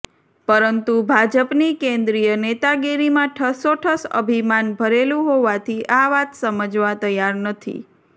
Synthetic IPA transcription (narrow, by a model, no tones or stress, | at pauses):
pəɾənt̪ubʱad͡ʒəpnikẽnd̪ɾijənet̪aɡeɾimãʈʰəsoʈʰəsə̰bʱimanbʱəɾelũɦoʋat̪ʰiʔaʋat̪səməd͡ʒʋat̪əjaɾnət̪ʰḭ